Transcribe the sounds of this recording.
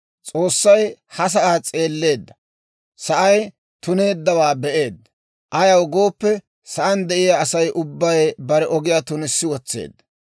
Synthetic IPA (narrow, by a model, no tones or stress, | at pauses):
t͡sʼo̞ːsːɐjhɐs̬ɐʔaːt͡sʼe̞ːlːe̞ːd̪ːɐ̥ | sɐʔɐj | t̪ʊne̞ːd̪ːɐwaːbɛʔe̞ːd̪ːɐ | ʔɐjɐwɡo̞ːpːɛ | sɐʔɐnd̪ɛʔɪjaːsɐjʔʊbːɐjbɐɾɛʔɔɡɪjaːt̪ʊnɪsːɪwɔt͡sːḛːd̪ːɐ̥